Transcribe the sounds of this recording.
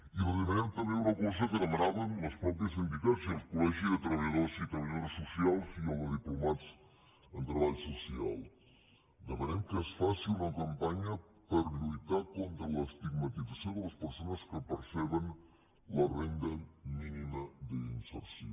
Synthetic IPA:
iβozðemenemt̪ameunakos̬ɐkenemeɾaβanlospɾopjɐsinb̪ikaɾsialkolɛxjuðet̪ɾaβaeðoɾsit̪ɾaβaʎoɾsosjalfiooðiplomat̪s | ent̪ɾaβaʎusosja̰l | d̪emaɾemkeesfasilunakampaɲa | paɾlujt̪aɾkont̪ɾalaest̪iɡmat̪isasjond̪elaspeɾsonɐskepeɾseβen | larend̪aminimaðeinsḛɾsjo

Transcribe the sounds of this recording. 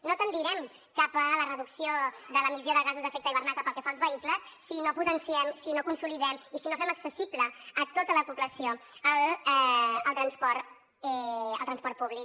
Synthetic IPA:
not̪ənd̪iɾɛm | kapələrəðuksioðələmizioðəɣazuzðəfɛk̚t̪əiβəɾnat̪əpəlˠkɛfalˠzβəikləssinoput̪ənsiɛmsinokunsuliðɛmisinofɛməksəsipləːt̪ot̪ələpupləsioəlɛəlˠt̪ɾənspɔɾ | ɛə̰lˠt̪ɾənspɔrt̪̚puβlik

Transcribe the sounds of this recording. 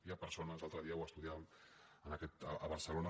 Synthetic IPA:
iapəɾsonəzlalˠt̪ɾəðiəwəst̪uðiaβmənəkɛt̪əʔəβəɾsəlonə

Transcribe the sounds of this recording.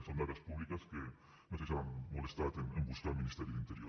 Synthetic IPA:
sand̪aɾjaspuβlikaske | met̪esaβanmolest̪at̪enẽmbuskamĩnist̪eɾjuðint̪eɾjo

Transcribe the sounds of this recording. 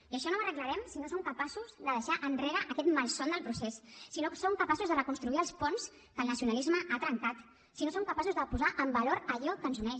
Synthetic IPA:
iəʃɔnomərəkləɾɛmsinosomkəpasuzðəðəʃaʔənreɾəʔəkɛt̪malˠsond̪əlˠpɾusɛsːinosoŋkəpasuzðərəkunst̪ɾuiəlˠspɔns | kəlˠnəsiunəlizməʔat̪ɾəŋkat̪ | sinosomkəpasuzðəpuzaʔəmbəloɾəʎɔkənzunɛʃ

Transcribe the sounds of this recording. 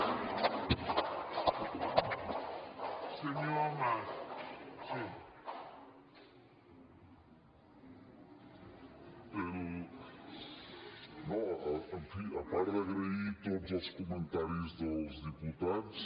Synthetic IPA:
seɲoma | sĩ | peɾʊ | nɐ̃ẽfĩɐpaɾd̪ɐɣɾeit̪od̪ʊzoskomẽnt̪aɾjʊzðʊzd̪iput̪aðʊs

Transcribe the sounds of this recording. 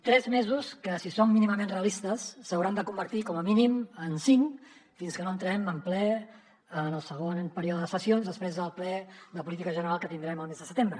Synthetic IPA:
t̪ɾɛzmezuskəsisomːiniməmenreəlist̪əsːəwɾand̪əkumbəɾt̪ikɔməminimənsiŋ | finskənoənt̪ɾɛməmplɛ | ənəlˠsəɣ̞onpəɾiɔðəðəsəsionzðəspɾezðəlˠplɛðəpulit̪̬ikəʒənəɾalˠkət̪ind̪ɾɛməlˠmezðəsət̪embɾə

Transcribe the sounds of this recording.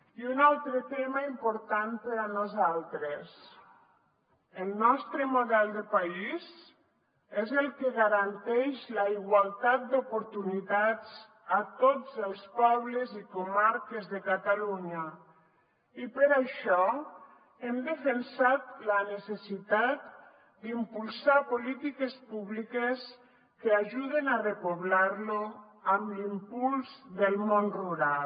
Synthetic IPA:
iunalˠt̪ɾət̪ɛmaimpuɾt̪anpəɾanuzalˠt̪ɾes | əlˠnɔst̪ɾəmuðɛld̪əpaiz | ɛzəlˠkeɣaɾant̪ɛʃlaiɣwalˠt̪at̪̚d̪upuɾt̪unit̪ad͡z | at̪od͡zəlˠspɔβləzikumaɾkezðəkat̪aluɲa | ipəɾaʃɔ | ɛmd̪əfensat̪lanesesit̪at̪ | d̪impulˠsapolit̪ikespuβlikes | keaʒuðenarepoβlaɾlo | amlimpulzðəlmonruɾal

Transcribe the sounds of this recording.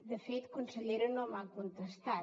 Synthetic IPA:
d̪əfet̪kunsəʎeɾonomalkont̪ɾəst̪a

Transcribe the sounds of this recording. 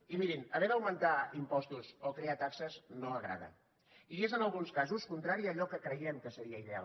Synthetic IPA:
imiɾinəβɛðəwmənt̪aimpɔst̪uzokɾeat̪aksəznoəɣɾa̰ð̞ə̰ | iezənəlˠɣunskazuskunt̪ɾaɾiəːʎɔkəkɾəjɛmkəsəɾiəiðea̰

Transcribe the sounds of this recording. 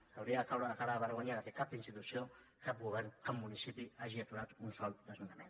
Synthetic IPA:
awɾiaakawɾaðakaɾaaβaɾɣaɲaɾat̪ekapinst̪it̪usjo | kap̚ɡuβɛɾnkamːunisipiaʒiat̪uɾat̪unsɔld̪ezmunamen

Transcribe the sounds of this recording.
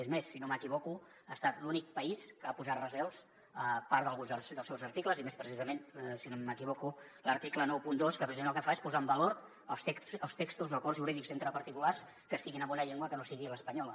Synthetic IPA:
ezmesːinoməkiβɔku | əst̪at̪lunik̚pəiskəapuzat̪rəzɛlˠs | əpaɾðəlˠɣunzəlˠsd̪əlˠsɛwzəɾt̪ikləzimespɾəsizəmensinoməkiβɔkuləɾt̪iklənɔwpund̪oskəpɾəsimeñlˠkəfaespuzaəmbəloɾ | əlˠst̪ekəlˠst̪ekst̪uzəkɔrzʒjuɾiðikzent̪ɾəpəɾt̪ikulars | kəst̪iɣinəmbɔnəʎeŋɡwəkənosiɣiləspəɲɔl

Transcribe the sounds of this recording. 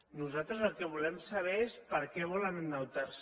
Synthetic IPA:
nuzat̪ɾəzəlˠkəβ̞ulɛmsaβ̞ɛespəɾkɛβ̞ɔlənənːawt̪aɾs

